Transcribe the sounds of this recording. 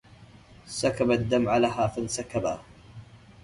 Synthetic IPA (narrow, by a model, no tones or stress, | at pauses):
sakabad̪ːamʕalaɦaːfansakaba